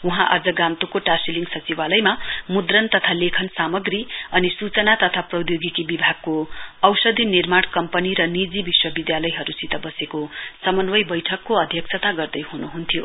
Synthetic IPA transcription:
uɦãʔa̰d͡zʌɡamt̪ukoʈasiliŋɡsʌt͡siwalʌjmamud̪rʌnt̪ʌt̪ʰalekʰʌnsamʌɡriʌnisut͡sʌnat̪ʌt̪ʰaprʌwd̪joɡikibibʱaɡ̚koʌwsʌd̪ʱinirmaɽkʌmpʌniɾʌnid͡zibiswʌbid̪jalʌjɦʌɾusit̪ʌbʌsekosʌmʌnwʌjbʌjʈʰʌkːoʌd̪ʱjʌkt͡sʰʌt̪aɡʌrd̪ʌjɦunuɦunt̪ʰijo

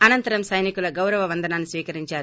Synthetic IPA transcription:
ɐnɐnt̪ɐɾɐmsɐjnikulɐɡɐwɾɐʋɐʋɐnd̪ʱɐnaːnːisʋiːkɐɾiɲt͡ʃaːɾu

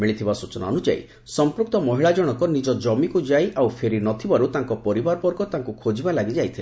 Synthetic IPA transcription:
miɭit̪ʰibasut͡ʃɔna̰ɔnud͡ʒa̰ḭ | sɔmpɾuk̚t̪ɔmɔɦiɭad͡ʒɔɽ̃ɔkɔnid͡ʒɔd͡ʒɔmikud͡ʒajʔawpʰeɾinɔt̪ʰibaɾut̪aŋkɔpɔɾibaɾɔbɔɾɡɔt̪aŋkukʰod͡ʒibalaɡid͡ʒajt̪ʰile

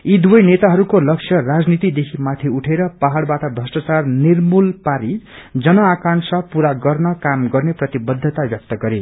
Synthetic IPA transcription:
id̪uʌjnet̪aɦʌɾukolʌksʰjʌrad͡znit̪id̪ekʰimat̪ʰiuʈʰeɾʌpaɦaɽbaʈʌbʱrʌsʈat͡sarnirmulpaɾid͡zʌnʌakansʌpuɾaɡʌrnʌkamɡʌrneprʌt̪ibʌd̪ʱːʌt̪abjʌk̚t̪ʌɡʌɾe

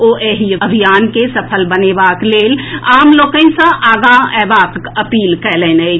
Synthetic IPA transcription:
oːʔeɦiəbʱijaːnkesəpʰəlbənebaːkleːlaːmloːkə̃sãʔaːɡaɛːbaːkəpiːlkɛːlɛ̃ːne

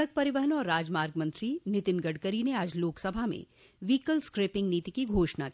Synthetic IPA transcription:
ək̚pɐɾɪʋəɦənɔːɾːaːd͡ʒmaːɾɡmə̃nt̪ɾinɪt̪ɪnɡəɖkəɾineaːd͡ʒloːksɐbʱamḛ̃ | ʋiːkəlskɾeːpɪ̃ŋɡniːt̪ikiɡʱoːʃna̰ki

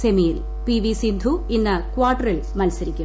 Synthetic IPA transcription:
semijil | piʋisind̪ʱuinːɐkuʋaːʈːɐrilmɐlsɐɾikʲːu

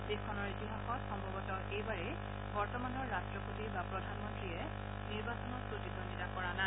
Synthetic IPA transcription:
dexkʰɔnɔɹitiɦaxɔtxɔmbʱɔɡɔtɔʔejbaɹɛ | bɔɹtɔmanɔɹːastɹɔpotibapɹɔdʱanmɔntɹiɛ | niɹbasɔnɔt̚pɹotikɹɔnditakɔɹana

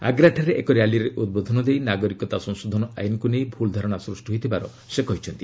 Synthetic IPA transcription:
a̰ɡɾaʈʰaɾeʔekɔɾjaliɾeʔud̪̚bod̪ʱɔnɔd̪ejnaɡɔɾikɔt̪asɔ̃ŋ̃sod̪ʱɔnɔa̰jnɔkunejbʱuld̪ʱaɾɔɽ̃asɾusʈɔɦojt̪ʰibaɾɔ | sekɔɦit͡ʃʰɔnt̪i

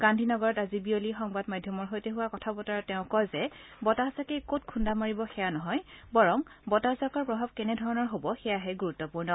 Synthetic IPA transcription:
ɡ̥andʱinɔɡɔɹɔtazibiolixɔŋbadmadʱjɔmɔɹɦojteɦuwakɔtʰabɔtaɹɔtɛʊ̃kɔjzɛbɔtaasakejkotkʰundamaɹibɔxɛjanɔɦɔjbɔɹɔmbɔtazakɔɹpɹɔbʱab̚kɛnɛdʱɔɹɔnɔɹɦobɔxɛjaɦɛɡuɹutːɔpuɹnɔ

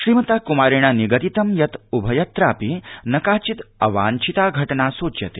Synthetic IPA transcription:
ʃɾiːmɐt̪aːkumaːɾiɽ̃ɐniɡɐt̪it̪ɐmjɐt̪ubʱɐjɐt̪ɾaːpinɐkaːt͡ʃit̪ɐʋaːnt͡ʃʰit̪aːɡʱɐʈnaːsoːt͡ʃjɐt̪e

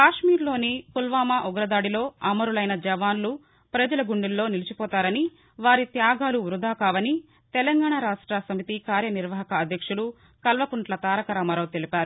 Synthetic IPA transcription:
kaːʂmiːɾlo̞ːnipulʋaːmaːʔuɡɾɐd̪aːɽilo̞ːɐmɐɾulɐjnɐd͡ʒɐʋaːnlu | pɾɐd͡ʒɐlɐɡuɳɖilːo̞ːnilit͡ʃipɔːt̪aːɾɐni | ʋaːɾit̪jaːɡaːluʋɾud̪ʱaːkaːʋɐni | t̪ɛlɐŋɡaːɳaːɾaːʂʈɾasɐmit̪ikaːɾjɐniɾʋɐɦɐkɐːd̪ʱjɐkʂulu | kɐlʋɐpuɳʈlɐt̪aːɾɐkɐɾaːmɐɾɐːt̪elipaːɾu

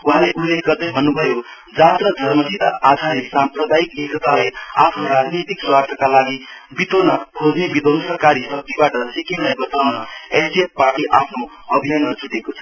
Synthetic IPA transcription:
uɦãleʔulːekɡʌrd̪ʌjbʱʌnːubʱʌjo | d͡zat̪rʌd͡zʱʌrmʌsid̪a̰ʔad̪ʱaɾesamprʌd̪aiklekʰʌt̪alaja̰pʰnoɾad͡znit̪ikswast̪ʰʌkalaɡibit̪onʌkʰod͡znebid̪onsʌkaɾisʌk̚t̪ibaʈʌsikiɾlajbʌt̪awnʌesiet̚parʈiʔapʰno | ʌbʱinanmʌd͡zuʈekot͡sʰʌ̥

